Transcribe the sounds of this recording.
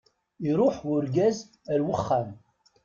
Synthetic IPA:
iɾˤʊħʊɾɡæz | æɾwəχːam

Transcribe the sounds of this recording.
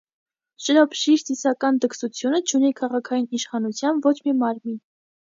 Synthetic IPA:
ʃəɾɑpʃiɾsisɑkɑnd̪əksut͡sʰjunət͡ʃʰunikʰɑʁɑkʰɑjiniʃχɑnut͡sʰjɑnvɔt͡ʃʰmimɑɾmin

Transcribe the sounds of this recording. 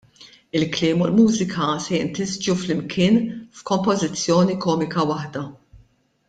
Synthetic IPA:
ɪlklɪːmʊlmuːzɪkʰɐsɛjɪnt̪ɪzd͡ʒuflɪmkʰɪːnfkɔmpɔzɪt͡sːjɔːnikɔːmɪkɐwɐħd̪ɐ

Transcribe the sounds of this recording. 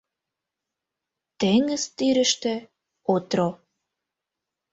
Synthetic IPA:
t̪eŋə̆zt̪yɾə̆ʃt̪ĕ | ot̪ɾo

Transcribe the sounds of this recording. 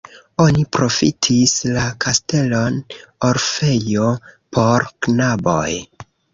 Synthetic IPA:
o̞nipɾo̞fitʰislakʰaste̞lo̞noɾfe̞jopʰo̞ɾknabo̰j

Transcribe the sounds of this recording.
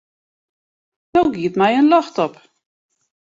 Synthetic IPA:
nowɡiətmɛjənlɔxtɔp

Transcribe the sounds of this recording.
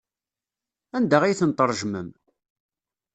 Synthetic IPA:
ænd̪æʁijθənt̪ˤəɾˤʒməm

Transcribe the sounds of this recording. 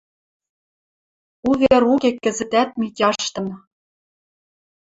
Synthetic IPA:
uβeɾukekːɘ̆zɘ̆t̪æt̪̚mitʲɑʃt̪ɤ̆nɤ̆

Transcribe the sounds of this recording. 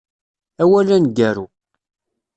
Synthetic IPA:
æwælænɡæɾu

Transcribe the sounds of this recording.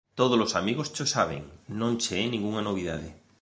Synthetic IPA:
t̪oð̞ozlosamiɣost͡ʃosaβ̞ḛŋnõŋt͡ʃeenĩŋɡuŋanoβ̞iða̰ðe

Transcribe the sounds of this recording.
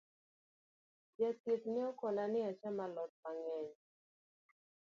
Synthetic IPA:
d͡ʒɛt̪it̪̚nɪɔkɔnanɪat͡ʃɛmalɔt̪̚maŋɛɲ

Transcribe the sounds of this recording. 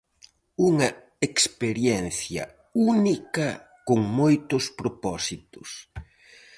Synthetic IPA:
uŋɐ | ekspeɾjɛnθjɐ̰ | unikɐ | koŋmojt̪ʊspɾopɔsit̪ʊs

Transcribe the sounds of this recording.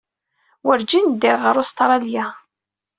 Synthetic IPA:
wəɾd͡ʒind̪ɪʁəɾʊst̪ɾˤɑlja

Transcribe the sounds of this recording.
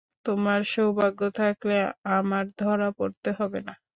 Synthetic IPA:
t̪omaɾʃowbaɡːot̪ʰakleamaɾd̪ʱɔɾapoɾt̪eɦɔbena

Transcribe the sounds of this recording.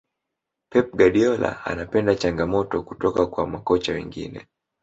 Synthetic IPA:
pɛp̚ɡaɗiɔla̰a̰napɛndat͡ʃaŋɡamɔtɔkutɔkakwamakɔt͡ʃawɛ̰ŋɡḭnɛ̰

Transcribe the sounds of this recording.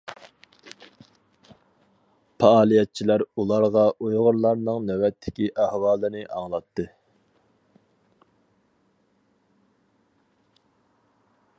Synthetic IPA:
pʰɑɑːlˠijɛt̪̚t͡ʃʰilæɾulˠɑɾʁɑʔujʁʊɾlˠɑɾnɨŋnɛwɛt̪ʰːɪkʲiʔæhwɑːlˠɨnɨʔɑ̰ŋlˠɑt̪ʰːɨ

